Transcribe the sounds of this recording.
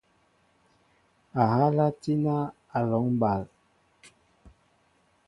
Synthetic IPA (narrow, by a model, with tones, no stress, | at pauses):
a˨ɦa˦la˦ti˦na˦ | a˨lɔ˨˦ŋ˦ba˨l